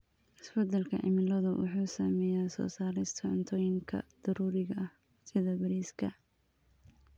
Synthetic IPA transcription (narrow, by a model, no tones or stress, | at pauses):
ʔɪsfɐd̪ɐlkʰɐ̰ʕɪ̰mɪlɐðʊwʔɑ̰ħuːsɐmɛːjaːsɔ̰ːsaːɾɪst̪ʰɐʕʊnt̪ʰɔːjɪŋkʰɐ̰d̪̥ɐɾuːɾɪɣɐʔɐh | sɪðɐbɐɾiːskʰɐ